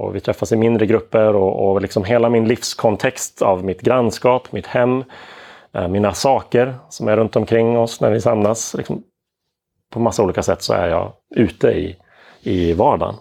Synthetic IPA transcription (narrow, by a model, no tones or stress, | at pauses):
ɔ̰vɪt̪ʰɾɛfːasɪmɪnd̪ɾəɡɾɵpːəɾɔɔlɪksɔmɦeːlamɪnlifskʰɔnt̪ʰɛkst̪ʰa̰vmɪt̪ɡɾanːskɑːpmɪt̪hɛmː | miːnasɑːkəɾsɔmæɾːɵnt̪ɔmkʰɾɪŋːɔsnæɾvɪsamnaslɪ̰ksɔm | pʰɔmasːauːliːkasɛt̪ːsɔ̰æ̰ɾjɑ̰ː | ʉ̟ːt̪əɪ̰ | ɪvɑːɖa̰n